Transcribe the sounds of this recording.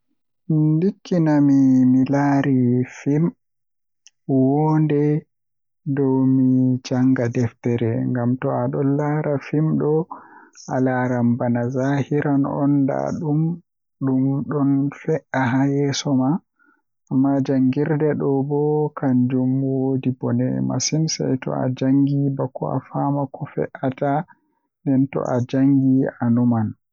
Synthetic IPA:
ndikːinamimilaɾifim | wɔndɛ | dɔwmid͡ʒaŋɡadɛftɛɾɛŋɡamtɔaɗɔnlaːɾafimɗɔʔalaːɾambanazaːhiɾanɔ̰nda̰ɗum | ɗumɗɔnfɛʔaɦajɛsɔma | ʔːmːad͡ʒaŋɡiɾdɛɗɔbɔkʰaɲd͡ʒumwodibɔnɛma̰sinsɛ̰jtɔ̰a̰d͡ʒaŋɡibakɔa̰famakɔfɛ̰ʔata | ndɛntɔ̰ʔad͡ʒaŋɡianuman

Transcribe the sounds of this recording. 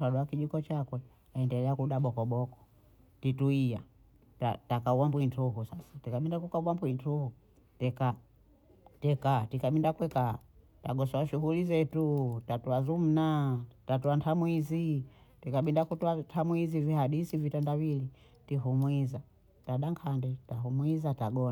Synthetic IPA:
aɗwakiʄukɔt͡ʃakwɛ | aɛndɛlɛakuɗaɓɔkɔɓɔkɔ̥ | tituia̰ | ta̰takauwambuintʰuɦusasḁtikaɓindakukauwambuintʰuhu | tɛka | tɛkatikaɓindakwɛka | taɡɔsɔaʃuhulizɛtutatuazum̩natatuantʰamwizitikaɓindakutuantʰamwizivihaɗisivitandavili | tiɦumwiza | taɗaŋkʰandɛtaɦumwizataɡɔn

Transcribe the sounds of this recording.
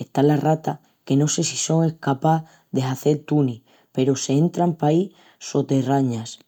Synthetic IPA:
e̞ht̪alarat̪a | ke̞no̞se̞siso̞ŋe̞hkapa | ðe̞ɦaθe̞lt̪uni | pe̞ɾo̞se̞ent̪ɾampai | so̞t̪e̞raɲas

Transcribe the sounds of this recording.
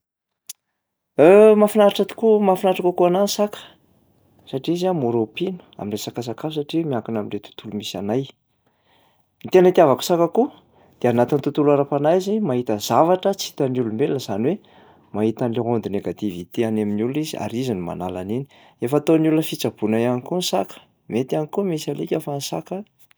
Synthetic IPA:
əmafinaɾaʈ͡ʂat̪i̥kumafinaɾaʈ͡ʂakukuanasakə̥ | saʈ͡ʂiizamoɾopinu̥a̰minɳɖ͡ʐesakas̬akas̬aʈ͡ʂimiakinamiɳɖ͡ʐet̪u̥t̪ulumisa̰naj | nt̪enat̪iavaku̥sakaku | d̪̥eanat̪int̪ut̪ulaɾapanajzimaɦit̪ənzavaʈ͡ʂət͡si̥t̪anulumelnəz̥aniwe | maɦit̪anleɦond̪ineɡat̪ivit̪ianaminulizia̰ɾizanuma̰nala̰nini̥ | efat̪oniuləfit͡sab̥unajanikunsakə̥ | met̪anikumisalekʲafansa̰kə

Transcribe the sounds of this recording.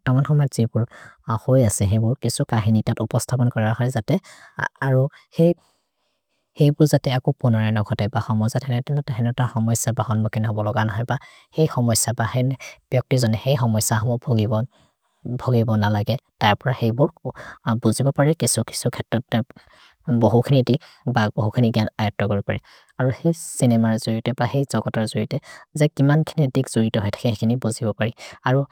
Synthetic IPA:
amanxɔmɔjɔtz̥ibʊɹhojasɛɦejbʊɹkisukaɦinitatupɔstʰapɔnkɔɹaahɔɹɛzatɛaɹu | hej | hejbʊɹzatɛakɔpunɔɹanɔɡʰʱɔtɛbaxɔmɔjsatʰɛnɛtɛɔtaɦinɔtaɹxɔmɔjsabaxɔnmukʰinɦɔbɔlɔɡanɔɦɔjba | hejxɔmɔjsabahenb̥jɔk̚tizɔnɛxejxɔmɔjsaɦɔmɔbʱɡibɔ | bʱoɡibɔnalaɡɛtajpɔɹaxejbuɹbuzibɔpaɹikisɔki̥sɔkʰɛtːɹɔtːa | boɦukʰiniti | baboɦukʰinikimanajɔtːɔkoɹipa̰ɹḭ | aɹuxejsinɛmaɹɛzoɹitɛbaxejz̥ɔɡɔtɔɹzoɹitɛzɛkimankʰinidikz̥oɹitɔɦɔjtʰḁkɛhekʰinibuzibɔpaɹiaɹu

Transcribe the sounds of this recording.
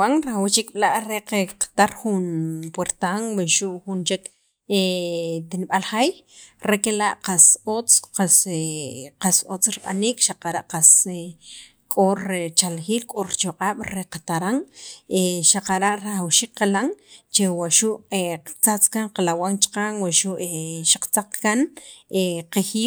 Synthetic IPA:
waŋɾaxawʃiːk̚ʼɓlaʔɾeqeqḁt̪aɾχunpweɾt̪aŋweʃuʔxunt͡ʃek | et̪inɓalχajɾekelaʔqasot͡sqaseqasot͡sɾiɓa̰niːkʃaqaɾaʔqase | kʼoɾet͡ʃalxiːlkʼoɾt͡ʃoqʼaːɓ̥ɾeqat̪aɾaŋeʃaqaɾaʔɾaxawʃikqalaŋt͡ʃewaʃuʔe̥t͡sat͡skaɴqalawaŋt͡ʃḁqaŋwaʃuʔeʃaqt͡saq͡χkaneqexiː

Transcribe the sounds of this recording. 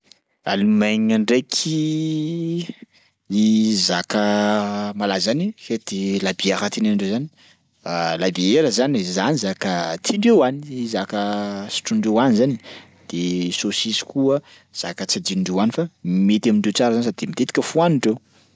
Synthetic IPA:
a̰lumajŋaɳɖ͡ʐekʰi | izakə | malazanihet̪ilabiaɦat̪inanɳɖ͡ʐewzani̥ | labieɾəzanizanizakət̪ʰiɳɖ͡ʐewanizakəsi̥ʈ͡ʂuɳɖ͡ʐewanizani | d̪̥esosisi̥kuə | z̥a̰kət͡sid̪iɳɖ͡ʐewanifamet̪amiɳɖ͡ʐewt͡saɾazansaid̪emit̪et̪i̥kʲəfuaniɳɖ͡ʐew

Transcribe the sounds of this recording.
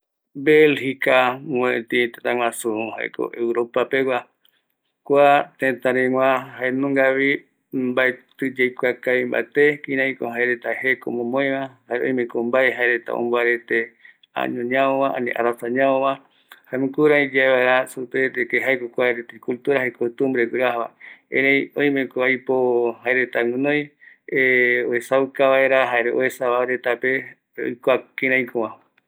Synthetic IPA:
belhikamũẽt̪ĩt̪ẽt̪aŋʷwãsuɦa̰ḛko̰ʔeuɾopapewa | kʷat̪ẽt̪ãɾẽŋʷwãɦaenũŋɡaβi | mbaet̪ɨd͡ʒejkʷakajmba̰et̪ekĩɾãĩkoɦaeɾet̪aheko̰mõmõẽβãhaeõ̰jmẽkombaeɦaeɾet̪a̰õ̰mbaɾet̪e | a̰ɲõɲãoβãʔã̰nḭ̃ʔa̰ɾasaɲãõβã | haemũkuɾaĩd͡ʒaeβaeɾasupet̪ekeɦaekokʷaɾet̪ikult̪uɾahajkot̪umbɾekɨɾaɦβa̰ḛ̃ɾẽj̃õj̃mẽkoajpohaeɾet̪aŋɨ̃nõj | eoesawkaβaeɾaɦaeɾeʔoesaβaɾet̪ape | eojkakĩɾ̃ãj̃kowã

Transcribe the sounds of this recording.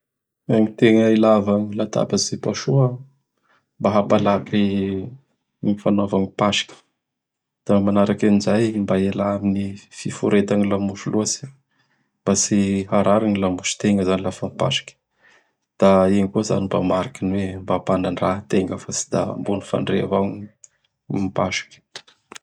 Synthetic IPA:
aŋit̪eŋəilavaɲilat̪a̰bazipaʃuə | mbaɦapalapi | nifanovaŋipaʃi̥kʲə̥ | d̪̥amanaɾakinizajmbaelaaminififuɾet̪aŋilamuʃuluasi̥ | mb̥asiɦaɾaɾanilamuʃu̥t̪eŋɡəzanilafamipa̰ʃi̥kʲə̥ | d̪̥aiŋikuza̰nimbamaɾakinwembapananraɦt̪eŋɡəfasi̥d̪a̰mbunufa̰ɳɖ͡ʐeavan | mipaʃi̥kʲə̥

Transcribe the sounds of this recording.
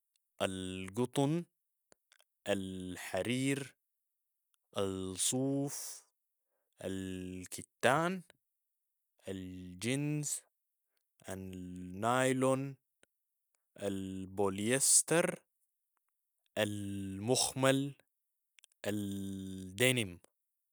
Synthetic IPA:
ʔalɡʊt̪ˤʊn | ʔalħaɾiːɾ | ʔɑlsˤuːf | ʔa̰lkɪt̪ːaːn | ʔald͡ʒɪnz | ʔanajlon | ʔalboljest̪ɑɾˤ | ʔalmʊxmal | ʔald̪enim

